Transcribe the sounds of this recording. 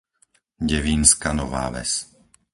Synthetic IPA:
ɟɛʋiːnskanɔʋa̰ːʋɛ̰s

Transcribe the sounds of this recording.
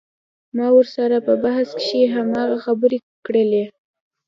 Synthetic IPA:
mɑwəɾsaɾapəbahaskʃeɦamɑɣaxabəɾe | kɽəle

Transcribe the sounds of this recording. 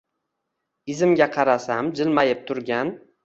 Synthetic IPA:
ɪzɪmɡʲaqʰɑɾasamd͡ʒɪlmajɪp̚t̪ʰʊɾɡʲan

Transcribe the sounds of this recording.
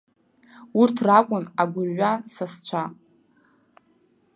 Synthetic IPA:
urtʰrakʷʼʊnaɡʷʊrɥʷasast͡ɕʷʰa

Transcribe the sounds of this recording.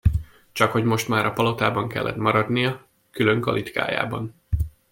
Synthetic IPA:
t͡ʃɒkho̞ɟmo̞ʃt̪maːɾɒpɒlo̞t̪aːbɒŋkɛ̰lːɛ̰t̪mɒɾɒd̪nijɒ | kylø̞ŋkɒ̰lʔit̪ka̰ːja̰ːbɒn

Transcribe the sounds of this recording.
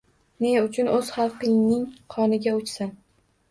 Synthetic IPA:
ne̞ʊt͡ʃʰʊnɵz̥χɑlˠqɪŋnɪŋqʰɒnɪɡʲaʊt͡ʃsan

